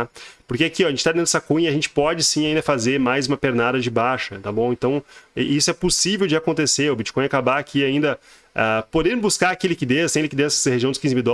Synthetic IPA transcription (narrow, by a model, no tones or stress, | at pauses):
poɾkeakiɔaʒẽt͡ʃɪt̪ad̪ẽnd̪ʊsakũɲɐaɐʒẽnt͡ʃɪ̥pɔd͡ʒɪsĩaĩnd̪ɐfazeɾmajzũmɐpeɾnad̪ɐd͡ʒɪbaʃɐnɛt̪abõw̃ẽnt̪ɐ̃w̃isʊɛposivewd͡ʒɪakõnt̪eseʊbit͡ʃɪ̥kõj̃akabaːkʰʲiaĩnd̪ɐ | apod̪ẽɾbuskaɾakilikid̪esẽj̃likid̪ẽssɐheʒiɐ̃d̪ʊskĩzɪmiwd̪ɔ